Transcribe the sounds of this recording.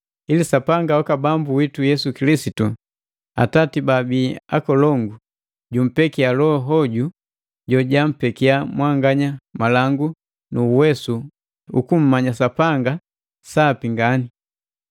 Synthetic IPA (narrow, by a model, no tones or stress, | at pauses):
ilisapaŋɡawɔkabambuwitujɛsukilisitu | a̰tatibabiːa̰kɔlɔŋɡu | ɟum̩pɛkialɔɦɔɟu | ɟɔɟam̩pɛkiamwaŋɡaɲamalaŋɡu | nuːwɛsu | ukum̩ːaɲasapaŋɡa | sapiŋɡani